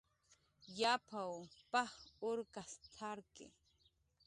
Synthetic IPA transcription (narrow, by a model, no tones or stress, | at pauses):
japʰawpaχʊɾkast̪ʰaɾkɪ̰